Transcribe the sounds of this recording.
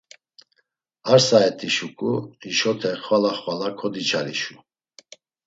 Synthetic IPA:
aɾsaɛt̪ʰʼiʃukʼuiʃɔt̪ʰɛχwalaχwalakʰɔd̪it͡ʃʰaɾḭʃu

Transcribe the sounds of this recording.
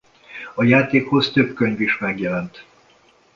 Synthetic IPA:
ɒjaːt̪eːkho̞zt̪øpkøɲviʃmɛɡjɛlɛnt̪

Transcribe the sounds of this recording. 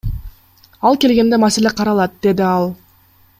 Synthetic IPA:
ɑlˠke̞lɡe̞nd̪e̞maselʲeqʰɑɾɑlˠɑt̪̚d̪e̞d̪iɑlˠ

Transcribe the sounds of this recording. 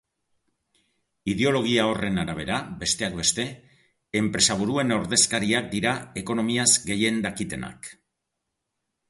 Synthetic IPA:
iðe̞o̞lo̞ɣ̞iao̞re̞naɾaβ̞e̞ɾabe̞st̪e̞akbe̞st̪e̞ | empɾe̞saβ̞uɾue̞no̞ɾðe̞skaɾiak̚d̪iɾae̞ko̞no̞miazɡe̞je̞nd̪akit̪e̞na̰k

